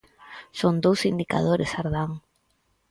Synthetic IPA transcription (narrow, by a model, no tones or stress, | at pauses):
sond̪owsind̪ika̰ðoɾesaɾðaŋ